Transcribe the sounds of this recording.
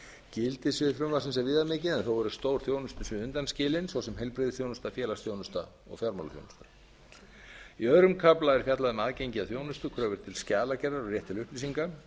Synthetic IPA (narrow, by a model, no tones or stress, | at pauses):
cɪlt̪ɪsɛfɾʏmvasɪns̬ɛvɪːðamɪːcɪðɛnθowɛɾʏ̥st̪oːwɾ̥θjoːwnʏst̪ʏsɪʏnt̪anscɪːlɪnsvɔsɛmɦejlpɾɪðɪθjoːwnʏst̪afjɛːlast̪θjownʏst̪a | ɔ̰ɣfjaɾmalθjo̰wnʏst̪ḁ | iœɥɾʏmkʰaplaɛɾ̥fjat̪laðʏmaðcejɲcɪaðθjownʏst̪ʏkʰɾœːvʏɾ̥t̪ʰɪlscaːlacɛraɾɔɣrjɛht̪ʰːɪlʏhpliːsiŋka